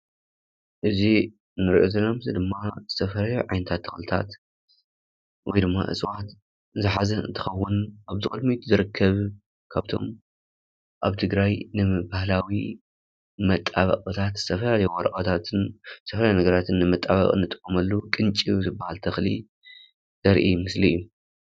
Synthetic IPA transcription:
ʔɨzi | nɨɾiʔozɨlɐmzɨd̪ɨmːazɨt̪ʰɐfɐlaljuʕajnɐt̪ʰat̪ʰːɐxlɨt̪ʰa̰t̪ | wɔjd̪ɨmːa̰ʔɨ̰sʼwat̪ | zɨħazɐɨ̰nt̪ʰɨ̥xɐwːʊnʔaβzɨkʼɨd̪mit̪zɨɾɨkʰːɐβ | kʰaβt̪ʰo̞̰m | ʔaβt̪ʰɨɡɾajnɨɨbahlawi | mɐt̪ʼːaβɐ̰kʼɨt̪ʰat̪z̥ɨt̪ʰɐfɐlalɐjuwɔɾɐχʼɐt̪ʰat̪ɨnzɨt̪ʰɐfɐlajnɐɡɐɾat̪ʰɨnːɨmɐt̪ʼːaβɐ̰qʼɨ̰nːɨt̪ʼɨ̥kʼːɐmɐlːukʼɨnt͡ʃʼizɨbːahalt̪ʰɐxlḭ | z̥ɐɾʔimɨslijːu

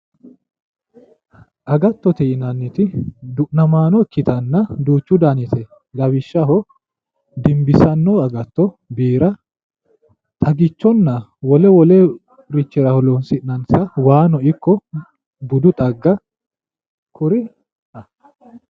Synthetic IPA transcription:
ʔɐɡɐt̪ːɔt̪ɛɪnɐnːɪt̪ɪd̪ʊʔnɐmaːnɔkːɪt̪ɐnːɐd̪uːt͡ʃːʊd̪anɪt̪ʰɛ | lɐbɪʃːɐɦɔ | d̪ɪmbɪsɐnːɔɐɡɐt̪ːɔ | biːɾɐ | t̪ʼɐɡɪt͡ʃːɔnːɐwɔlɛwɔlɛ | ɾɪt͡ʃːɪɾɐhɔlonsɪʔnɐnsɐwaːnɔɪkːɔ | bʊd̪ʊt̪ʼɐɡːɐ | kʰʊɾɪ | ɐ

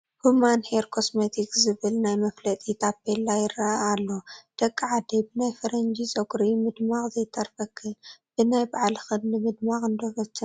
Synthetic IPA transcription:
humanheɾkʰo̞smet̪ʰikzɨβɨlnajmɐflɐt̪ʼit̪ʰapːelːajɪɾaalːod̪̥ɐkʼːɐʕad̪ebɨnajfɐɾɐnd͡ʒisʼɐɡʼɾimɨd̪maχʼzɐjt̪ʰɐɾfɐkʰːɨnb̥ɨnajbaʕalxɨdnɨmɨd̪maχʼɨnd̪oβɐt͡ʃːɨ

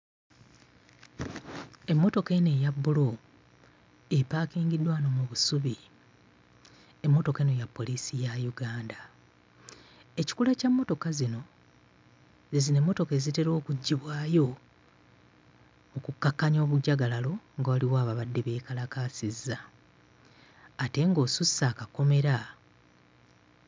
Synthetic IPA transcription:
e̞mːo̞to̞ke̞nejabːulo̞ | epaːkiːŋɡidwaːnomuβusuβi | e̞mːo̞to̞kene̞japːo̞lisijajuɡaːnda | e̞ci̥kulacamːo̞to̞kazino̞ | ze̞zine̞mːo̞to̞ke̞ːzite̞ɾo̞ːkuɟːiβwaːjo̞ | mukukːakːaɲo̞ːβuɟːaɡalalo̞ŋɡawaliwaːβaβadːe̞βe̞ːkalakaːsizːa | te̞ŋɡo̞ːsusːaːkako̞me̞ɾa

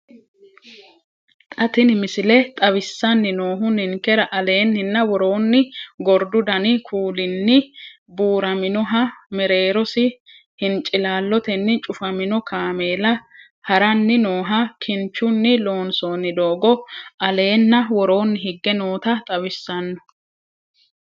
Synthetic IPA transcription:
t̪ʼɐt̪ɪnmɪsɪlɛt̪ʼɐwɪsːɐnːɪno̞ːɦʊnɪŋkɛɾɐʔɐle̞ːnhɪnːɐwɔɾo̞ːnːɪɡɔɾd̪ʊd̪ɐnɪkʰuːlɪnːɪ | buːɾɐmɪnɔɦɐmɛɾe̞ːɾɔsɪ | hɪnt͡ʃʼɪlaːlːɔt̪ɛnːɪt͡ʃʼʊfɐmɪnɔkʰaːmeːlɐ | hɐɾɐnːɪno̞ːɦɐkʰɪnt͡ʃːʊnːɪlo̞ːnso̞ːnːɪd̪oːɡɔʔɐle̞ːnːɐwɔɾo̞ːnːɪɦɪɡːɛnoːt̪ɐt̪ʼɐwɪsːɐnːɔ̥

